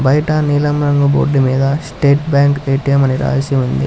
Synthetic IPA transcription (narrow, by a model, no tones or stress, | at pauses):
bɐjʈɐniːlɐmɾɐŋɡubo̰ːɖːimeːd̪ɐsʈeːʈbjaːŋkeːʈijɐmɐniɾa̰ːd͡ʒɐsiʋund̪ḭ